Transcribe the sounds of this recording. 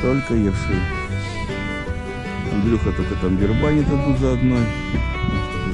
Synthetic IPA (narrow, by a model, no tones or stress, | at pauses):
t̪olʲkəirskəj | d̪ɾʲuxət̪olʲkət̪amɡʲɪrmanʲɪt̪ob̪uzəɐd̪noj